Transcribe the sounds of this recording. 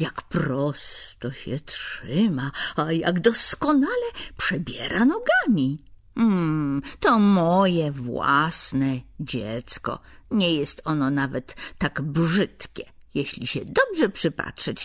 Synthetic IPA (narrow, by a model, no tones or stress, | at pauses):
jakpɾɔst̪ɔɕɛtʂɪmaaja̰ɡd̪ɔskɔnalɛpʂɛbʲjɛɾʔanɔɡamʲi | m̩t̪ɔmɔjɛvwa̰snɛd͡ʑɛt̪skɔ̰ɲɛjɛst̪ɔnɔnavɛt̪ːaɡbʐɪt̪kʲɛ | jɛɕlʲiɕɛd̪ɔbʐɛpʂɘpa̰tʂɛt͡ɕ